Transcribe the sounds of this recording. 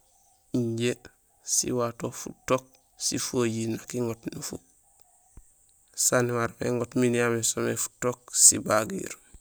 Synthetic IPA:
iɲɟe | sḭwatofṵtːok̚ | sifojinakiŋotnifṵk̚ | saniwaɾpḛŋotminijamisomefu̥tok̚sḭbaɡḭɾ

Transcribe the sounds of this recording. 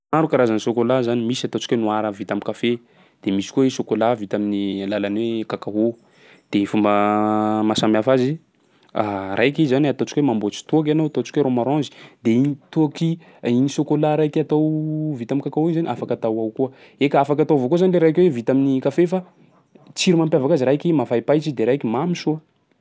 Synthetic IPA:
aɾukaɾazanisokolazanimisiat̪ot͡ʃi̥kwenuaɾəvit̪amikafe | d̪̥emisi̥koesokolavit̪aminilalanwekakaɦu | d̪̥eifumbəmasambjafazi | arʔajkizanat̪ot͡ʃi̥kwemambot͡ʃi̥t̪uak̬anawat̪ot͡ʃi̥kweɾomaɾɔ̃zi̥d̪einit̪uaki | inisokolaɾajkat̪owvit̪amikakaɦuizanʔafakat̪awawkuə | ekəafakat̪awvokozanleɾajkwevit̪aminikafefa | t͡siɾimampjavakaziɾajkimafajpajt͡ʃid̪eɾajkimamiʃuə

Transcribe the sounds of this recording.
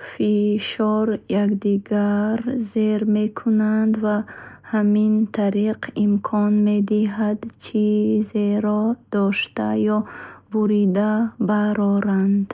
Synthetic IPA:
fiʃɔɾjakd̪iɡaɾzeɾme̞kʰunand̪vahamint̪ʰaɾiqʰimkʰɔnme̞d̪iɦad̪t͡ʃʰizeɾɔd̪̥ɔʃt̪a̰jɔbuɾid̪abaɾɔɾand̪

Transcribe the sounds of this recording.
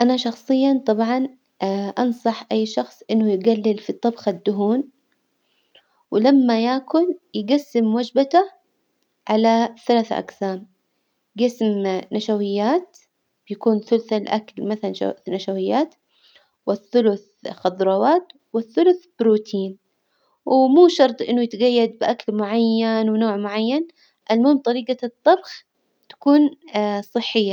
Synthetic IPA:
ʔanaʃɑxsˤɨjːɑt̪ˤɑbʕɑn | ʔɑnsˤɑħʔajːʃɑxsˤʔɪnːʊjɡalːɪlfit̪ˤːɑbxad̪ːʊɦuːn | wɪlamːajaːkʊnjɡasːɪmwad͡ʒbat̪a | ʕalaθalaːθʔa̰qsaːm | ɡɪsmnaʃawɪjːaːt̪ | b̥jakuːnθʊlθalʔa̰kalmaθalan̰naʃawɪjːaːt̪ | wɪθːʊlʊθ | xɑd̪ˤɾˤɑwaːt̪ | wɪθːʊlʊθb̥ɾuːt̪ʰiːn | wmuːʃɑɾˤt̪ˤʔɪ̰nːʊjɪt̪ɡajːad̪̚bʔakalmʊʕajːanwɪnoːʕmʊʕajːan | ʔalmoːmt̪ˤɑɾiːɡat̪ˤːɑbx | t̪ḁkuːnsˤɨħːɪjːa

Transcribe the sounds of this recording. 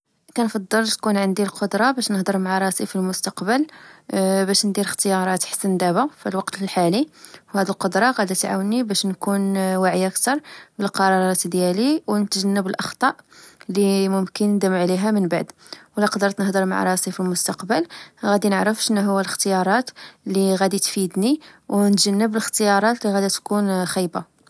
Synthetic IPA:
k̪ænfɑd̪ˤːəlt̪kunʕənd̪ilqod̪ɾˤɑbæʃnəhd̪əɾˤmaʕaɾˤɑsifilmʊst̪ɑqbəl | bæʃnd̪iɾəxt̪əjɑɾˤɑt̪ħḁsːənd̪æbæfilwɑqt̪lħaliwhæd̪ilqod̪ɾˤɑɣæd̪ət̪ʕa̰wənibæʃnkunwaʕijækt̪ɑɾˤbəlqɑɾˤɑɾˤɑt̪d̪jæliwnət̪ʒənːəbəlʔɑxt̪ˤɑʔlimʊmkənːd̪əmʕliɦæmənba̰ʕd̪ | wlæqɑd̪əɾt̪nəhd̪əɾma̰ʕɾˤɑsifilmʊst̪ɑqbəlɣæd̪inəʕɾəfʃənːæɦʊwːæləxt̪əjɑɾˤɑt̪lːiɣæd̪it̪fid̪niwnt̪ʒənːəbələxt̪əjɑɾˤɑt̪liɣæd̪ət̪kunxijba

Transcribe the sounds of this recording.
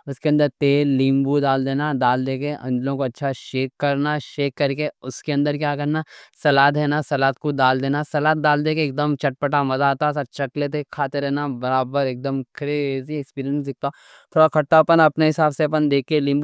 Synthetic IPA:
ʊskeɐ̃nd̪əɾt̪eːlːĩːmbud̪aːld̪eːnad̪aːld̪eːkeʔɐ̰̃nd͡ʒlõkoɐtːʃʰaʃeːkːɐɾnaʃeːkːɐɾkeʊskeɐ̃nd̪əɾkjaːkɐɾnasɐlaːt̪ɦɛːnasɐlaːt̪̚kod̪aːld̪eːnasɐlaːt̪̚d̪aːld̪eːkeːk̚d̪əmt͡ʃɐʈ̚pəʈamɐzat̪asat͡ʃɐklet̪̬ekʰaːt̪eɾɛɦnabɐɾaːbəɾeːk̚d̪əmkʰɾeːziekspiːɾiə̃nsd̪ɪk̚ʰt̪a | t̪ʰoːɽakʰɐʈ̚t̪apənɐpneɦɪsaːbseɐp̬ənd̪eːkːelĩːmbu

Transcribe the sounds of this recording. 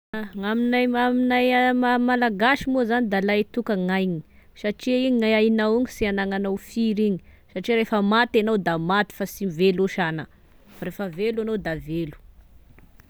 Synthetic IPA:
ŋaminajmaminajmamalaɡaʃimozanid̪alaet̪ukəŋajɲi̥saʈ͡ʂiiŋajajnawiɲisianaŋanawfiɾiɲi̥ | saʈ͡ʂiɾefəmat̪anowd̪amat̪i̥fasimiveloʃana | faɾefəveluanowd̪avelu̥

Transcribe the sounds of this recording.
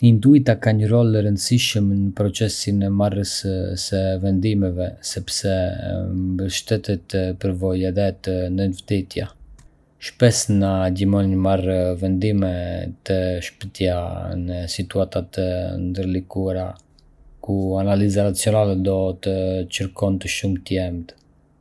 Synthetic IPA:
nind̪uit̪akaɲəɾɔləɾənd̪əsiʃəmnəpɾɔt͡sɛsinɛmarəssəvɛnd̪imɛvɛsɛpsɛmmbəʃt̪ɛt̪ɛt̪pəɾvɔjɛðɛt̪ənd̪ənvd̪ɛt̪ja | ʃpɛsnaɟimɔnɲmarvɛnd̪imɛt̪əʃpət̪janəsit̪uat̪at̪ənd̪əɾlikuaɾa | kuanalizanat͡sijɔnalɛd̪ɔt̪ət͡ʃəɾkɔnt̪əʃumt̪əjɛmt̪

